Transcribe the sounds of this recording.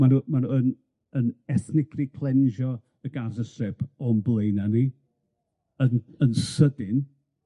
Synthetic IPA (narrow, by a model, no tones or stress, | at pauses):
manumanuən | ənɛθnɪkʰrikʰl̥ˠɛnʒɔ | əɡazəsɛpʰɔmblˠeɨnani | ənənsədɪn